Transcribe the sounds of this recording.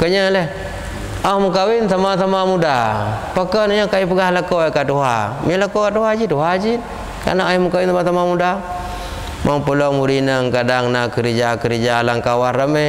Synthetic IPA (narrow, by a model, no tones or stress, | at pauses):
kəɲəlɛh | ahməkawinsamasamamudapakənaɲakajupəɡahləkoekatuɦamiələkokatuɦad͡ʒituɦad͡ʒit | ka̰naŋajməkawinsamasamamuda | maŋpəlɔmuɾinəŋkadaŋnakəɾid͡ʒakəɾid͡ʒalaŋkawarəmɛ